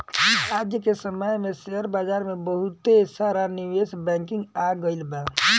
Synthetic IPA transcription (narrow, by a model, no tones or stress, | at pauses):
ɾaːd͡ʒjəkesəməjmẽseɦəɾbaːd͡ʒaːɾmẽbəɦut̪esaːɾaniʋeːsbɛ̃ːŋkɪ̃ŋɡaɡəɪlba